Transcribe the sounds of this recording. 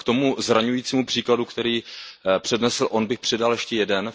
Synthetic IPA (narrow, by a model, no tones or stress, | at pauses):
kt̪o̞muzɾaɲujiːt͡siːmupr̥iːkladukt̪ɛɾiːpr̝̥ɛdnɛsl̩ʔonbɪxpr̝̥ɛdaljɛʃcɛjɛdɛn